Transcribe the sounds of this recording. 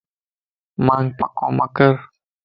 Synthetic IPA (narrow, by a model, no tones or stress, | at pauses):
maŋpaqɔ̰makəɾ